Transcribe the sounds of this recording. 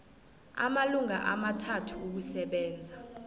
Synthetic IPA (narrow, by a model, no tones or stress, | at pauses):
a̰maluŋaʔamatʰatʰuːk̬usɛɓɛːnd͡zʱa